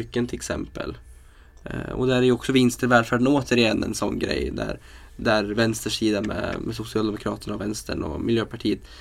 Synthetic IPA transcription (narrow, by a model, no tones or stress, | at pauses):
ʏkːənt̪ʰɪɛksɛ̰mpə̰l | ɔ̰d̪ææɾæjɔksɔvɪnst̪əɾvɛːlfæːɖənoːt̪əɾɪɛnːɛ̰nsɔnːɡɾɛ̰jːd̪æ̰ɾ | d̪æɾvɛnst̪əʂiːd̪amɛ̰mɛsʊsɪɑːld̪ɛmʊkʰɾɑːt̪ənavɛnst̪əɳɔ̰mɪljøːpʰaʈʰiːət̪